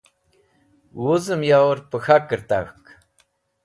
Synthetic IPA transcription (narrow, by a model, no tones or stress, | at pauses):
wuzɨmjawəɾpəxakəɾt̪a̰xk